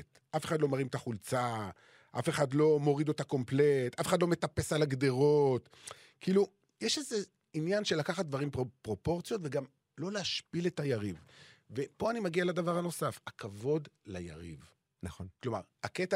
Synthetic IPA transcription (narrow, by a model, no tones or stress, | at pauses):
t | ʔafe̞χad̪lo̞maʁimt̪aχult͡sa | ʔafeχad̪lo̞mo̞ʁid̪ot̪ako̞mpletʔafeχadlome̞t̪ape̞salaɡd̪eʁot | kʰiːlu | jeʃeze | injanʃelakaχat̚d̪vaʁimpʁopʁo̞po̞ʁt͡sijo̞t̪veɡam | lo̞leaʃpile̞tajaʁivve̞po̞animaɡialad̪avaʁhano̞safakʰavo̞dlaja̰ʁḭv | naonklo̞maʁaketa